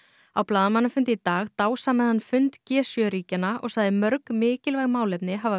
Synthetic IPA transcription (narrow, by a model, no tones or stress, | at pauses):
awplaːðamanːafʏnt̪ɪt̪aːɣt̪aːwsamɛðhanːfʏnt̪cɛːsjœɾiːcanaʔɔ̰ɣsaːðɪmœɾkmɪːcɪlvajɣmaːwlɛpnɪɦava